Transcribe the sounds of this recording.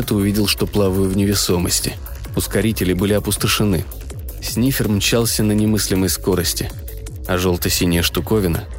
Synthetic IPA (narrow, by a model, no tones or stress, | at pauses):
ɛt̪əʊvʲidʲɪlˠʂt̪o̞plˠavəjʊvnʲɪvʲɪso̞mə̰sʲtʲɪ | ʊskɐɾʲitʲɪlʲɪbɨlʲɪɐpʊst̪əʂɨnɨ | sʲnʲifʲɪrmt͡ɕalˠsʲənənʲɪmɨsʲlʲɪməjsko̞ɾəsʲtʲɪ | ɐʐo̞lˠt̪əsʲinʲɪjəʂt̪ʊko̞vʲɪnə̰